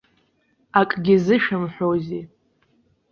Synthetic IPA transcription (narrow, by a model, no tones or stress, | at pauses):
akʼɡʲizɨʃɨmħʷᶣozi